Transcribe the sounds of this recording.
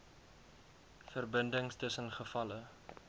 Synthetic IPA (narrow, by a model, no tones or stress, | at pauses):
fərbəndəŋstəsənχəfɐlə